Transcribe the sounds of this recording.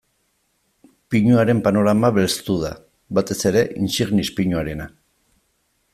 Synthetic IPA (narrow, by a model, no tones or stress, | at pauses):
piɲuaɾe̞mpano̞ɾamaβe̞lst̪uða | βat̪e̞se̞ɾe̞ʔinsiɣnispiɲuaɾe̞na